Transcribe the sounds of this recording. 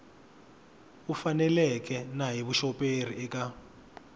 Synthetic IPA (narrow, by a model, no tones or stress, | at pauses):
ufanɛlɛk̬ɛnaɦiβuʃɔpʼer̤iɛka